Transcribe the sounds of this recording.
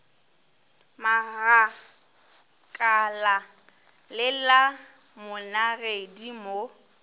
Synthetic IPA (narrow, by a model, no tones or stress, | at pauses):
maɣa | kʼala | lɪla | mʊnaredimo